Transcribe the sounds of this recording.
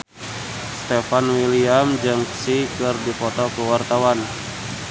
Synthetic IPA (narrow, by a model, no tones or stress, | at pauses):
st̪efanwiliamd͡ʒɨŋksikɨrdipɔt̪ɔkəwart̪awan